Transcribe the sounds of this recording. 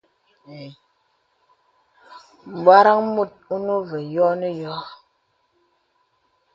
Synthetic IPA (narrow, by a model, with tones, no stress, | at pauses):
m̩˨ba˦ɾa˦ŋmu˦˨t̚u˦nu˦ve˨jɔ˦ni˦jɔ˦